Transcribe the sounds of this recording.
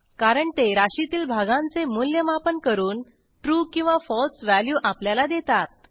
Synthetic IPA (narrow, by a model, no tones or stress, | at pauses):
kaɾəɳt̪eɾaɕit̪iːlbʱaɡãnt͡semuljəmapənkəɾuːn | ʈɾuːkĩw̃ʋafɔlsʋæljuːʔapljalad̪et̪at̪̚